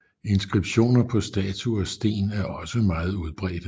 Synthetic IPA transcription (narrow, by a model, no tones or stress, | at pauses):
e̝nsɡ̥ʁib̥ɕo̝̰ːnɐpʰɒ̽sd̥ɛt͡sʰuɒ̽sd̥e̝̰ːnæɐɒ̽səmɑ̈ːð̞̩ˠuð̞ˠb̥ʁɛ̰ːd̥